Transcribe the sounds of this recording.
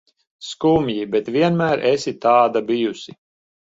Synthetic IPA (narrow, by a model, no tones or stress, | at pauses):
skumʲjibɛt̪vʲiɛnmæːɾʔesit̪ɑːd̪abijusʲi